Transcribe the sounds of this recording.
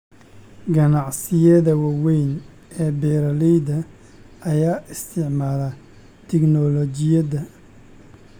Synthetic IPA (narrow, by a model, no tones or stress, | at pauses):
ɡɐnɑʕsɪjɛðɐwɑwɛjn | ʔɛːbɛːɾɐlɛjðɐ | ɐjaːʔɪst̪ʰɪʕmaːlɐ | t̪ʰɛɡnɔlɔt͡ʃɪjɐðɐ